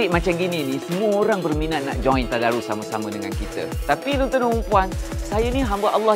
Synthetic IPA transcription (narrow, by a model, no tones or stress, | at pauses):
iʔmat͡ʃamɡininĩsəmũəoɾaŋbərminaʔ̪̚naʔd͡ʒɔ̃jnt̪adaɾusaməsamədəŋankit̪ə̰t̪apidont̪ənumpuansajənĩɦambaʔɑlːɑh